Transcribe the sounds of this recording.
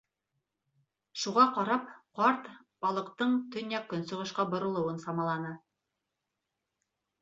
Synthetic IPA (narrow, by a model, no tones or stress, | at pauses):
ʃuʁɑqɑɾɑp̚qɑɾt̪ | b̥ɑlˠɤ̆qt̪ɤɴt̪ɵ̆njækːɵ̆nsɤ̆ʁɤ̆ʃqɑbŏɾŏlˠɤ̆wɤnsɑmɑlˠɑnɤ